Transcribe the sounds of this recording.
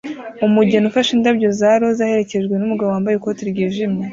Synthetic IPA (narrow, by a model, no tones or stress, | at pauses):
umuɟenufaʃindabɟo̞zaɾo̞zaːhe̞ɾe̞ce̞ʒɡwe̞numuɡaβoaːmbajekotiɾɡiːʒimɲe